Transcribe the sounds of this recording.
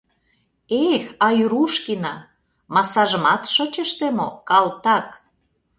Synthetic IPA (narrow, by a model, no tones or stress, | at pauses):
exɑjyɾuʃkinɑ | mɑsɑʒə̆mɑt̪ʃət͡ɕə̆ʃt̪emokɑlt̪ɑk